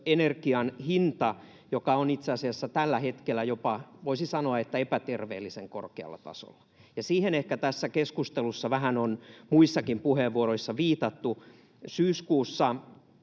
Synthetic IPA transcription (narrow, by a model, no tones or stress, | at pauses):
enerkiɑnhint̪ɑ | jokɑonit̪seɑsiɑsːɑt̪ælːæhet̪kelːˑæjopɑʋoisisɑnoɑet̪ːæepæt̪erʋḛːlːiseŋko̰rkeɑ̰lːɑ̰t̪ɑ̰so̰lːɑ̥ | jɑsiːhenehkæt̪æsːækeskust̪elusːɑʋæɦænonmuisːɑkimpuheʋʋuoɾoisːɑʋiːt̪ɑt̪ːu | syːskuːsːɑ